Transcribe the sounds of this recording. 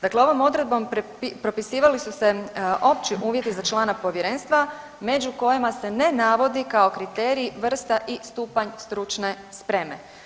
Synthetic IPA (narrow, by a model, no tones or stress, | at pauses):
d̪akleo̞ʋo̞mo̞d̪ɾe̞d̪̚bo̞mppipɾo̞pisiːʋalisuseʔo̞pt͡ʃiʔuːʋje̞t̪izat͡ʃlˠaːnapo̞ʋje̞ɾe̞ːnst̪ʋa | me̞d͡ʒuko̞jimase̞ne̞naʋo̞d̪ikaokɾit̪eːɾiːʋr̩st̪aʔist̪uːpaɲst̪ɾut͡ʃne̞ | spɾe̞me̞